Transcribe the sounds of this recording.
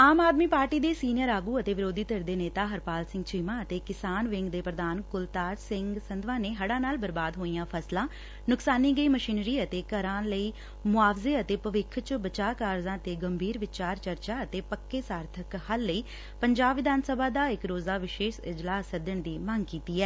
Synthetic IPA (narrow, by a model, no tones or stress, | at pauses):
aːmaːd̪miːpaːɾʈiːd̪eːsiːnɪjəɾaːɡuːət̪eːʋɪɾoːd̪iːt̪əɾd̪eːneːt̪aːɦəɾpaːlsɪ̃ŋɡt͡ʃʰiːmãːət̪eːkɪsaːnʋɪ̃ŋɡd̪eːpɾəd̪aːnkʊlt̪aːɾsɪŋɡsənd̪ʋãːneːɦəɽãːnaːlbəɾbaːd̪ɦoːijãːpʰəslãː | nʊksaːniːɡəiːməʃiːnɾiːət̪eːkəɾãːləiː | mʊaːʋzeːət̪eːpəʋɪkʰt͡ʃbət͡ʃaːkaːɾzãːət̪eːɡəmbʱiːɾʋɪt͡ʃaːɾt͡ʃəɾt͡ʃaːət̪eːpəkːeːsaːɾt̪ʰəkhəlːəiː | pəɲd͡ʒaːbʋɪd̪ʱaːnsəbaːd̪aːɪkɾoːzaːʋɪʃeːʃɪd͡ʒlaːsːəd̪əɳd̪iːməŋɡkiːt̪iːɛː